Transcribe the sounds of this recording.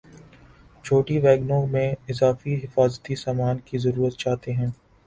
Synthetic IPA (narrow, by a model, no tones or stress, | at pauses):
t͡ʃʰoːʈiʋɛːɡnõmẽɪzaːfiɦɪfaːzt̪isaːmaːnkizɐɾuːɾət̪t͡ʃaːɦt̪eɦɛ̃ː